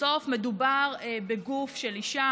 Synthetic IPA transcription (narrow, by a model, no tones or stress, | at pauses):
o̞fmedubaʁebeɡufʃeliʃa